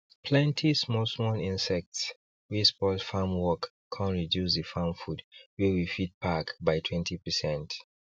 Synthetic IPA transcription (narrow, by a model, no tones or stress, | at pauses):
pʰlɛ̃ntʰismɔlsmɔlĩnsɛk̚ts | wispɔldfamwɔkʰ | ãntɹidjusðəfamfudwɛwifit̚pʰakbajtʰwɛ̃ntʰipəsɛ̃nt